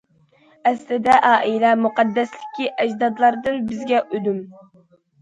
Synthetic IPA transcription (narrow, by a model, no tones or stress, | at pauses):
ɛslɪd̪ɛʔɑːʔilɛmuqɑd̪ːɛslɪ̥kʲʰiʔɛd͡ʒd̪ɑd̪lˠɑɾd̪ɨnbɪzɡʲɛʔød̪ym